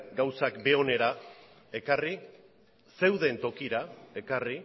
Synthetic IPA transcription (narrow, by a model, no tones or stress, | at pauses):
ɡawsakbe̞o̞ne̞ɾa | e̞kari | se̞wðe̞nt̪o̞kiɾae̞kari